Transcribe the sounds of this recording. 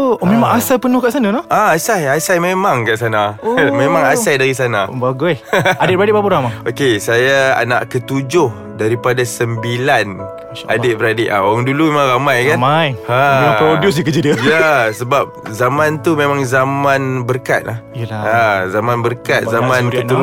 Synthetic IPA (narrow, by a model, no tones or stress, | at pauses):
memãŋasajpənʊhkaʔsananahaasajasajmemaŋkaʔsanamẽmãŋaajdaɾisanabaɡuɛadɪt̪̚bəɾadɪt̚bapuɾamaokesajaa̰na̰ʔkət̪ud͡ʒʊh | daɾipadasəmbilan | a̰ʔadɪt̪̚bəɾadɪʔa̰oɣaŋdulumemãŋɾamajkanmajaoios̬ikəd͡ʒidiəjasəbap̚zamãnt̪umemãŋzamanbərka̰t̪̚lahaazamanbərkat̪̚zamãnkət̪u